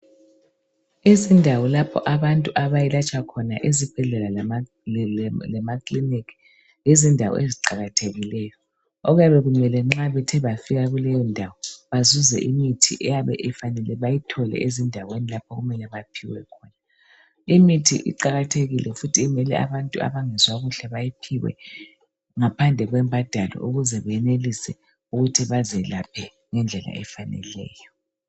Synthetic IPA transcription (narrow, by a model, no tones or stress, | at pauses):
izindʱawɔlapʰɔ̰ʔaβantʼuʔaβajilat͡ʃʼwakʰɔnaʔezib̥ʱɛɮɛla | lɛmakʰʼlinikʰi̥ | jezindʱa̰wɔ̰eziǃaɣatʰeɣilɛjɔ | oɣujaβɛɣumɛlɛŋ͡ǁaβɛtʰɛβafiɣaɣulɛjɔndʱawɔβazuzɛ̰ʔimitʰḭʔɛjaβɛ̰ʔɛfanɛlɛβajitʰɔlɛ̰ʔezindʱawenilapʰɔɣumɛlɛβapʰiwɛkʰɔna | imitʰḭʔḭǃaɣatʰeɣilʔɛfutʰimɛlɛ̰a̰βantʼua̰βaŋɛzwaɣuɬɛβajipʰiwɛ̰ | ŋapʰand͡ɮʱɛɣwɛmbʱad̥ʱalɔ̰ʔuɣuzɛβɛjɛnelisɛ | uɣutʰiβazɛlapʰɛ | ŋɛnd͡ɮʱɛla̰ɛfanɛ̰lɛ̰ːjɔ